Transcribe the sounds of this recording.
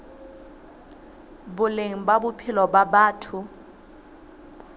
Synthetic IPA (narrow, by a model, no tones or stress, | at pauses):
bʊleŋ̩babʊpʰɪlɔbabaːtʰʊ